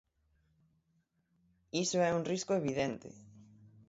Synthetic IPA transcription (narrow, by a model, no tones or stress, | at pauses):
isoɛuŋriskʊeβiðent̪ɪ̰